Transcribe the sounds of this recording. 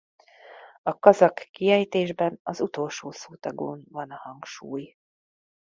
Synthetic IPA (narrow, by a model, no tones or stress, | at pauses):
ɒkɒzɒkːiɛjt̪eːʒbɛnɒzut̪o̞lʃoːsoːt̪ɒɡo̰ːnvɒnɒhɒŋkʃuːj